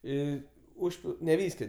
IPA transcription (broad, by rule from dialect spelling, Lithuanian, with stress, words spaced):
ˈiː ˈʊʃʲpʲɪlˠ nʲɛ ˈʋʲiːsʲkʲoː